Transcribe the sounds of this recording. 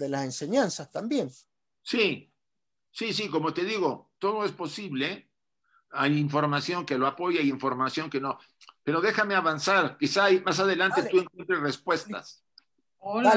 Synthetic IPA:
ðelasenseɲansast̪ambje̞n | si | sis̬iko̞mo̞t̪e̞ðiɣo̞t̪o̞ð̞o̞e̞spo̞siβle̞ | ajiɱfo̞ɾmasjo̞ŋke̞loapo̞ʝaajiɱfo̞ɾmasjo̞ŋke̞no̞ | pe̞ɾo̞ðe̞xame̞aβansaɾkisamas̬aðe̞lant̪eue̞ŋkwent̪ɾesre̞spwe̞st̪a̰s

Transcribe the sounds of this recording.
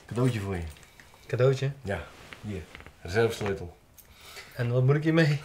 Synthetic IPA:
kadoːtjəfuəjə | kadoːtjəjajizɛlfstojtl̩ˠ | ɛnʋɔt̚munɪkjəmeː

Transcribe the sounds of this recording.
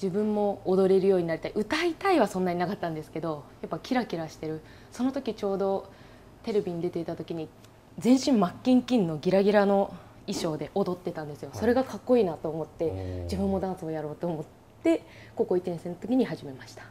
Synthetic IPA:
d͡ʑibɯ̟̃mːo̞ːd̪o̞ɾe̞ɾɯ̟jo̞ːɲ̟inaɾʲit̪aiʔɯ̟t̪ait̪aiβasõ̞nːaɲinakat̪ːãnd̪e̞sɨ̥ke̞d̪o̞japːakʲiɾakʲiɾaɕi̥t̪e̞ɾɯ̟ | so̞no̞t̪o̞kʲit͡ɕo̞ːd̪o̞ | t̪e̞ɾe̞bʲiɲ̟id̪e̞t̪e̞it̪at̪o̞kʲiɲ̟i | zẽ̞ɰ̃ɕĩmmakʲːĩŋkʲĩnːo̞ɡʲiɾaɡʲiɾano̞ | iɕo̞ːd̪e̞ʔod̪o̞t̪ːe̞t̪ãnd̪e̞sɨjo̞so̞ɾe̞ɡakakːo̞iːnat̪o̞ːmo̞t̪ːe̞d͡ʑibɯ̟̃mːo̞d̪ãsɨojaɾo̞ːt̪o̞ːmo̞t̪ːe̞ | ko̞ko̞it̪ẽ̞ɰ̃senot̪o̞kʲiɲ̟ihaʑime̞maɕi̥t̪ḁ

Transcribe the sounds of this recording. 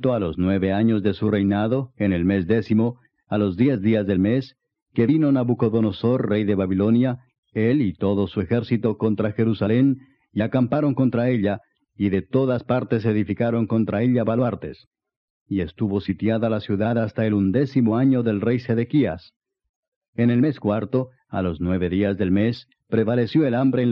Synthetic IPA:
t̪oalo̞znwe̞βe̞aɲo̞zðe̞sure̞jnaðo̞e̞ne̞lme̞zd̪e̞simo̞ | alo̞zd̪je̞zðiazðe̞lme̞s | ke̞βino̞naβuko̞ðo̞no̞so̞rre̞jðe̞βaβilo̞nja | e̞lit̪o̞ðo̞sue̞xe̞ɾsit̪o̞ko̞nt̪ɾaxe̞ɾusale̞n | iakampaɾo̞ŋko̞nt̪ɾae̞ʎa | iðe̞t̪o̞ðaspaɾt̪e̞s̬e̞ðifikaɾo̞ŋko̞nt̪ɾae̞ʎaβalaɾt̪e̞̰s | ie̞st̪uβo̞sit̪jaðalasjuðaðast̪ae̞lund̪e̞simo̞aɲo̞ðe̞lre̞jse̞ðe̞kia̰s | ene̞lme̞skwaɾt̪o̞ | a̰lo̞znwe̞βe̞ðiazðe̞lme̞s | pɾe̞βale̞sjo̞elambɾe̞

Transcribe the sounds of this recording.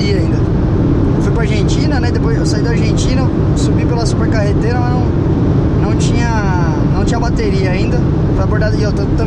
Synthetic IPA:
ɾiɐaĩnd̪ɐ | fujpɾɐaɾʒẽt͡ʃĩnɐnɛd̪epojzewsaid̪ɐaɾʒẽt͡ʃĩnɐ | subipelɐsupeɾkahet̪eɾɐmɐnɐ̃w̃ | nɐ̃w̃t͡ʃĩɲɐ | nɐ̃w̃t͡ʃĩɲɐbat̪eɾiɐaĩnd̪ɐ | fojɐboɾd̪adiewt̪ɐ̃t̪ɐ̃

